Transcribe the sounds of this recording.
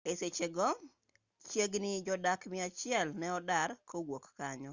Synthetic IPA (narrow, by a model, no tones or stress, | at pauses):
eset͡ʃeɡɔ | t͡ʃjeɡnɪd͡ʒɔdakmɪat͡ʃɪɛlnɛɔdaɾkʰowokːaɲɔ